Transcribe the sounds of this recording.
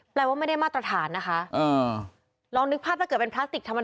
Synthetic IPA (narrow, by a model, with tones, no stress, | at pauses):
plɛː˧waː˥˩ma˥˩jda˥˩maː˥˩t̪ɾa˧t̪ʰaː˩˦nːa˦˥xʰa˦˥ʔʔɤː˧˩ | lɔː˧ŋnɯ˦˥k̚pʰaː˥˩t̪̚ʰa˥˩kːɤ˨˩t̚pe˧npʰɾa˦˥t̪i˨˩k̚t̪ʰa˧mːa˧